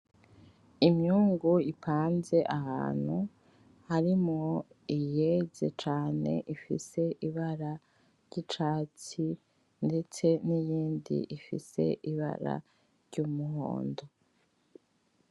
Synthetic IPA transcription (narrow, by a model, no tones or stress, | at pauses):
imɲuːŋɡuipʰaːnze̞ʔaha̰ːn̥hu | haɾimŋoijeze̞t͡ʃaːne̞̰ʔifḭse̞ʔiβaɾa | ɾɟ̥it͡ʃaːt͡si | nde̞t͡se̞nijiːndḭʔifḭse̞̰ʔiβa̰ɾa̰ | ɾɟumuɦo̰ːndo